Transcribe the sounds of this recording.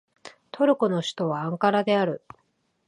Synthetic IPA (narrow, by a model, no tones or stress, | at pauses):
t̪ʰo̞ɾɯ̟kɯ̟no̞ɕi̥t̪o̞βãːŋkaɾad̪e̞aɾɯ̟